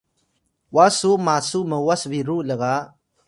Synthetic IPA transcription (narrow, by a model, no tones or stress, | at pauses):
wasumaːsuməwaswiɾuːləɡaː